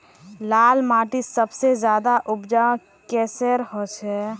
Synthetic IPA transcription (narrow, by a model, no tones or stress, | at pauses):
laːlmaːʈisəbsezjaːd̪aʔʊbd͡ʒa | kɛːseɾhot͡ʃʰɛː